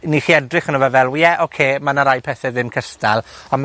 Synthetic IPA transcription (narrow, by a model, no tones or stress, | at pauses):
niχiːɛdrɪχənɔvɛvɛlˠwijɛʔokʰeːmanaɾajpʰɛθɛðɪmkʰəstalˠam